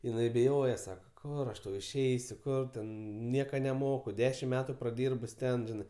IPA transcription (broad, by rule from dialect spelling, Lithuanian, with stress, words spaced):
jɪˈnɐɪ bʲɪˈjoːjɛ ˈsɑːkɐ ˈkʊr ɐʃ ˈtɐʊ ɪʃʲˈɛɪsʲʊ ˈkʊr tʲɛn ˈnʲiɛkɐ nʲɛˈmoːkʊ ˈdʲæːʃʲɪm ˈmʲæːtʊ prɐˈdʲiːrbʊs ˈtʲɛn ˈʒʲɪnɜ